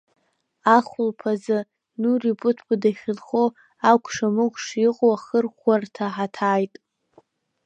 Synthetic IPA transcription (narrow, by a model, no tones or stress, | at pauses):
aχʷʊlpʰazɨ | nuripʼʊtʰbɨdaχʲɪlχo | akʷʰʼʂamɨkʷʂiqʼoaχərχʷartʰaħatʰaːjtʼ